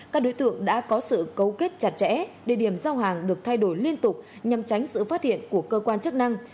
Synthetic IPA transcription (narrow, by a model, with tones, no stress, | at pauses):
kaː˦˥k̚ɗo˨˦jt̪ɨ̰˧˨əŋɗa̰ː˧˥kɔ˨˦sɨ̰˧˨kə˧˩wke˦˥t̚t͡ɕa˨˩t̚t͡ɕɛ̰˧˥ɗe˨˧˩ɗi˧˩əmzaː˧wɦaː˨˩ŋɗɨ˨˩ək̚t̪ʰa˧jɗo˧˩jli˧ənt̪ʊ˨˩k͡p̚ɲa˨˩mt͡ɕa˨˦jŋ̟sɨ̰˧˨faː˦˥t̚hḭ˧˨ənku˧˩əkəː˧kwaː˧nt͡ɕɨ˦˥k̚na˧ŋ